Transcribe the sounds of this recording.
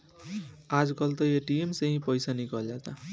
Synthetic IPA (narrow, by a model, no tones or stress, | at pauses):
ad͡zkʌlt̪ʌjeʈiemsʌ̃ɦĩpʌjsanikʌlat̪a